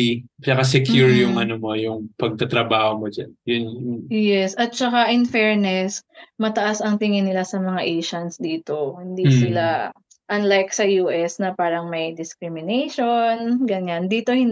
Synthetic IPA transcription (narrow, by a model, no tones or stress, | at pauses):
it͡ʃɐkas̬ɛkjuɹjʊŋʔɐnomo̞jʊŋpɐɡ̚t̪ɐt̪ɾɐbaːhomod͡ʒanjʊnjɛsɐt̪̚t͡ʃɐkaʔɪnfɛɹnɛsmɐt̪ɐʔasɐŋt̪ɪŋɪnɪlasɐmɐŋaʔɛjʃɐnsd̪iːt̪o̞hɪnd̪isɪla | ʔɐnlajk̚sɐjuːʔɛsnɐpaːɾɐŋmɐjd̪ɪskɾɪmɪnejʃo̞nɡɐɲand̪iːt̪o̞hɪn